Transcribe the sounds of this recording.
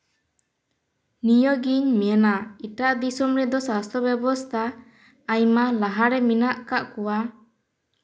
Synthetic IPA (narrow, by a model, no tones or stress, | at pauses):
nijɔɡiɲmɛjanaiʈaʔd̪isumɾɛd̪ɔsast̪ʰɾɔbɛbɔst̪ʰaː | jmalaɦaɾɛminaʔkaʔkɔwa